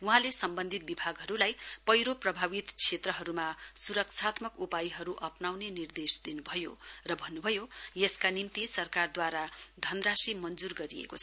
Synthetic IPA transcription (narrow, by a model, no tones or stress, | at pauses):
uɦãlesʌmbʌnd̪ʱit̪̚bibʱaɡɦʌɾulajpʌjɾoprʌbʱabit̪t͡sʰet̪rʌɦʌɾumasuɾʌksʰat̪mʌkupajiɦʌɾuʔʌpnawnenird̪esd̪inubʱʌjo̰rʌbʱʌnːubʱʌjojʌskanimt̪isʌrkard̪waɾad̪ʱʌnrasimʌnd͡zurɡʌɾiḛkot͡sʰʌ